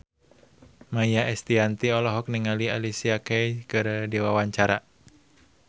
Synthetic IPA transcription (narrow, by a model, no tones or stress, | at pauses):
majaʔɛst̪iant̪iɔlɔɦɔk̚niŋalialisiakɛjkɨrdiwawaɲt͡ʃaɾa